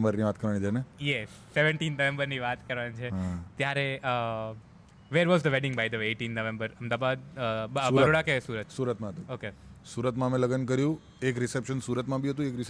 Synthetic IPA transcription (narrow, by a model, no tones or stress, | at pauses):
mbəɾniʋat̪kəɾʋanid͡ʒʰenejɛsːeʋə̃ɳʈinːəʋẽmbəɾniʋat̪kəɾʋant͡ʃʰeɦãt̪jaɾeə | ʋeɾʋɔzd̪əʋɛɖɪ̃ŋɡbajd̪əeʈĩnːəʋẽmbəɾəmd̪abad̪ | bəɾoɽakesuɾət̪suɾət̪mãɦət̪ũokesuːɾət̪mãmẽləɡənkəɾjũ | ekɾɪsepʃənsuːɾət̪mãbiɦət̪̬ũekɾɪs